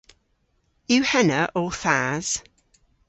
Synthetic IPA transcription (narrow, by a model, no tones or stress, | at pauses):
jʉːhɛnəɹʔɔːθaːz̥